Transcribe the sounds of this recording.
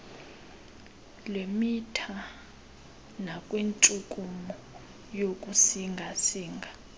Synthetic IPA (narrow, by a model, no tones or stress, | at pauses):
lemitʰa | nakʼwint͡ʃʼukʼumɔ | jokʼusiŋɡʱasiːŋɡʱa